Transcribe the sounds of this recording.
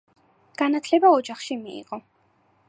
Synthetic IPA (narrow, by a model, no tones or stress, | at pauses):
ɡ̥anat̪ʰlɛbaɔd͡ʒaχʃimiḭʁɔ